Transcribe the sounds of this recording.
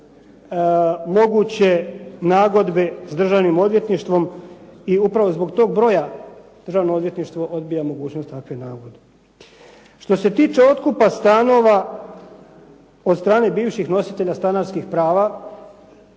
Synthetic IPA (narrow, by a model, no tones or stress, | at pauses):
mo̞ɡut͡ɕe̞naːɡo̞d̪be̞sd̪r̩ʒaʋnimo̞d̪ʋje̞t̪niʃt̪ʋo̞miupɾaʋozbo̞ɡt̪o̞ːɡ̚bɾo̞jad̪ər̩ʒaʋnood̪je̞t̪niʃt̪ʋo̞ʔo̞d̪bijamo̞ɡuːt͡ɕnost̪akʋenaːɡod̪e | ʃt̪o̞se̞t̪iːt͡ʃe̞o̞t̪kupast̪ano̞ʋa | od̪st̪ɾaːne̞biːʋʃixno̞sit̪e̞ʎast̪anaɾskixpɾaːʋa